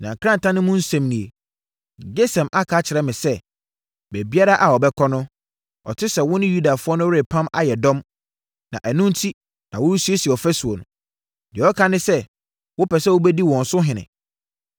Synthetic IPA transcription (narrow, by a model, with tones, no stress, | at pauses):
nã̰˨kʰɾã˦n˨tʰã˦nɪ̃˦mʊ̃˦n̩˦sɛ̃˨mnĩ˨e˨ | d͡ʑe˦sɛ̃˨mʔa˦kʰa˨˦t͡ɕʰɪ˨ɾɛ˦mɪ̃˨sɛ˦ | bɛ˨bi˦a˦ɾa˦ʔa˨ɔ˨bɛ˦kʰɔ˦nʊ̃˦ | ɔ̰˨tʰɪ˦sɛ˨wʊ̃˦nɪ̃˦ju˦da˨fʊ˦ɔ˦nʊ̃˦we˨pʰã˦ma̰˦jɛ˨dɔ̃˦m | nã̰˨ʔæ˨nũ˦n̩˦tʰi˦ | nã˨wʊ˦ɾu˦su˦e˦si˨ɔ˨fɛ˦su˨o˨nʊ̰̃˨ | dɪ˨ɔ˦kʰa˦nɪ̃˦sɛ˦ | wʊ˦pʰɛ˨sɛ˦˨wʊ˦bɛ˦di˦wɔ̃˨n̩˨sʊ˦ɦɪ̃˨nɪ̰̃˨